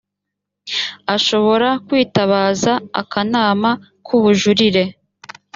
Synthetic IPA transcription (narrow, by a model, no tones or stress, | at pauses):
aʃo̞βo̞ɾakwiːtaβaːza̰ːkanaːma | kʰuβuʒuɾiɾe̞